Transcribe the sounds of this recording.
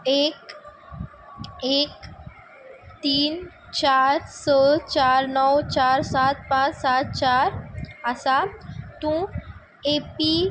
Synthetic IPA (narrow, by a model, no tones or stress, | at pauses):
eːk | eːk | t̪iːn | t͡ɕaɾsət͡ɕaɾnɔwt͡ɕaːɾsat̪̚pãt͡ʃsat̪̚t͡ɕaːɾəsat̪ũ | epi